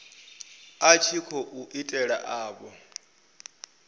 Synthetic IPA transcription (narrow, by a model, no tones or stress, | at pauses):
at͡ʃʰikʰɔʔuʔitʼɛɺa̰ʔaːɓɔ